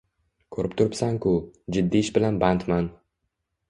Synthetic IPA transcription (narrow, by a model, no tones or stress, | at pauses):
kʰɵɾɪp̚t̪ʰʊɾɪpsaŋkʰʊd͡ʒɪd̪ːiɪʃbɪlanbant̪man